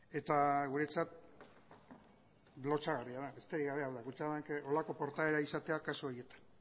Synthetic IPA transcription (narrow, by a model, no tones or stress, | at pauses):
e̞t̪aɣ̞uɾe̞t͡sat̪̚ | lo̞t͡saɣariaðaest̪e̞ɾiɣaβe̞awðakut͡ʃaðankeʔo̞lako̞po̞ɾt̪aeɾaisat̪e̞akasooje̞t̪ḁn